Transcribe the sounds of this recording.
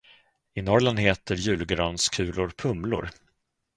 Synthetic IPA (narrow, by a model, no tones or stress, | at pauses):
ɪnɔɾland̪ɦeːt̪əɾjʉ̟ːlɡɾœnskʰʉ̟ːlʊɾpʰɵmlʊ̰ɾ